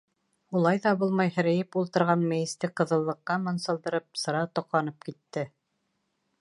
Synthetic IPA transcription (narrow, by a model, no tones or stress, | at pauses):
ulˠɑjðɑbulˠmɑjhɘ̆ɾæ̆jɘpulˠt̪ɤ̆ɾʁɑnmɘ̆jɘ̆st̪ɘqɤ̆ðɤ̆lˠːɤ̆qːɑmɤ̆nsɤ̆lˠd̪ɤ̆ɾɤp̚sɤ̆ɾɑt̪ŏqlˠɑnɤp̚kit̪ːɘ